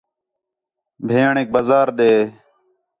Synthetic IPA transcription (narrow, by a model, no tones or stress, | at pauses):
bʱeːɳeːk̚bəzaːɾɗeː